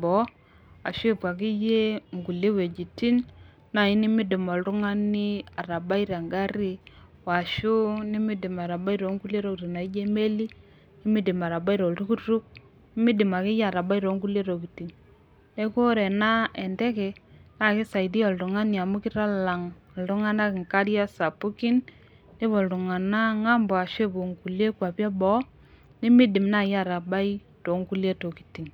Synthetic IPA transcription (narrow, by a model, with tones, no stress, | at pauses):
bɔ˨˦ | a̰˨ʃʊ˦ɪ˦˨pwa˨k̬ɪ˦je˦ŋɡu˨le˦we˨d͡ʒi˨ti˦n | na˨i˦nɪ˦mɪ˦dɪ˨mɔ˨ltʊ˦ŋa˦ni˦a˨ɾa˨ba˦i˦ɾa˨ŋɡa˦ɾi˦ | wa˨ʃʊ˦ni˦mɪ˦dɪ˨ma˨ɾa˨ba˦i˦ɾo˨˦ŋɡu˦le˦ɾo˦˨kti˨na˨i˦d͡ʒe˦me˦li˦ | nɪ˦mɪ˦dɪ˨ma˨ɾa˨ba˦i˦ɾɔ˨ltu˦ku˦ɾu˦k̚ | nɪ˦mɪ˦dɪ˨ma˨kɪ˦je˦a˨ɾa˨ba˦i˦ɾo˨˦ŋɡu˦le˦ɾo˨ki˨ti˨ŋ | ne˦ko˦ɾɛ˨na˦ɛ˨ndɛ˦kɛ˨a˦˨kɪ˦sa˨i˨di˦ɔ˨ltʊ˨ŋa˦nja˨mʊ˦kɪ˦ɾa˦la˨ŋ˨ | ltʊ˦ŋa˦na˦kɪ˨ŋka˦ɾja˦sa˨pʊ˦kɪ˦n | ne˦βɔ˨ltu˨ŋa˨na˦ŋa˦mbɔ˨a˨ʃe˦bo˨ŋku˨lje˦kwa˨pja˦bɔ˦ | nɪ˦mɪ˦dɪ˨mna˨ja˦˨ɾa˨ba˦i˦ | to˨˦ŋku˦lje˦to˨ki̥˨ti˨ŋ